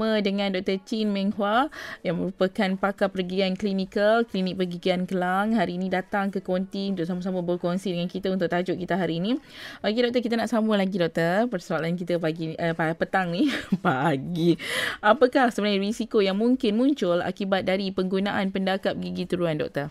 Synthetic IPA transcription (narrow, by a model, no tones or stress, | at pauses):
mədəŋãndɔk̚t̪ərt͡ʃinmɛŋhwajaŋmə̃ɾupəkanpakapərɡiianklinikalklinik̚pərɡiɡiankəlaŋɦaɾiːnĩdat̪aŋkəkɔnt̪iunt̪ʊʔsaməs̬aməbəkonsidəŋankit̪əunt̪ʊk̚t̪ad͡ʒʊʔkit̪aɦaɾiːnĩpaɡidɔk̚t̪ək̬it̪ənaʔsaməlaɡidɔk̚t̪ərpərsualankit̪əaɡiəpapət̪aŋnipaɡiapəkahsəbənajrisikojaŋmuŋkɪnmuɲt͡ʃʊla̰kibat̪̚daɾipəŋɡunaʔanpəndakap̚ɡiɡit̪uɾuandɔ̰k̚t̪ər